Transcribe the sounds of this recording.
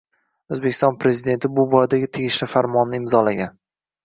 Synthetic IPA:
ozbekʲʰɪst̪ɒnpɾe̞zɪd̪e̞nt̪ʰɪbʊbɒjad̪aɡʲɪt̪ʰeɡʲɪʃlɪfaɾmɒnːɪɪmzɒlaɡʲan

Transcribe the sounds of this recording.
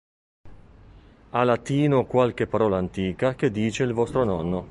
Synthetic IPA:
alat̪iːnokwalk̟epːaɾɔːlaːnt̪iːkak̟ed̪ːiːt͡ʃeilvɔst̪ɾonɔnːo

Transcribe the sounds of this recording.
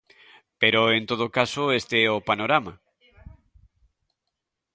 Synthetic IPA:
peɾoent̪oðokasoest̪eɛopanoɾama

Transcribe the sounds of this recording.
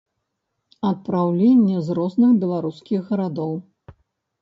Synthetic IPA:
ɐt̪̚pɾawlʲenʲːɛzrɔznɨxbʲilˠaɾuskʲiɣːɐɾad̪ɔw

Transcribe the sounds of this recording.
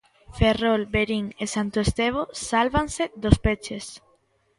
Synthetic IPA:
ferolbeɾiŋesant̪oest̪eβ̞osalβaŋsed̪ospet͡ʃes

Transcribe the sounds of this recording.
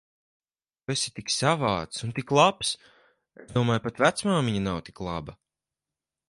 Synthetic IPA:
t̪uesi̥t̪iksavaːt̪sunt̪iklˠaps | ezd̪uɔmaːjpat̪væt̪smaːmiɲanawt̪i̥klˠa̰bɐ

